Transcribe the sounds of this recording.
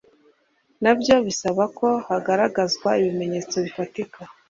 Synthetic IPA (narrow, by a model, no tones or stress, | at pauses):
nabjo̞βisaβako̞haɡaɾaɡazɡwaiβime̞ɲe̞ːt͡so̞βifatika